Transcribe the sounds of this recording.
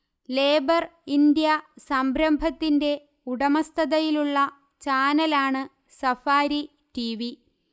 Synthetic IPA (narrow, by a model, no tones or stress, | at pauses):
leːbɐrind̪jɐsɐmbɾɐmbʱɐt̪ːinde̞ | uɽɐmɐst̪ʰɐðɐjiluɭːɐ | t͡ɕaːnɐlaːɳɨ | sɐfaːɾi | ʈiʋi